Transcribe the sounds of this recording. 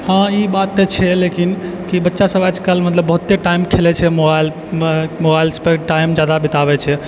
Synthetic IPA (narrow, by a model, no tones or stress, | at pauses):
hãibat̪ːet͡ʃʰɛlekin | kibətːʃasəbad͡ʒkəlmət̪ləbːəɦut̪ːeʈaimkʰelɛt͡ʃʰɛmobajl | mobailspeʈaimd͡ʒad̪abit̪aβɛt͡ʃʰɛ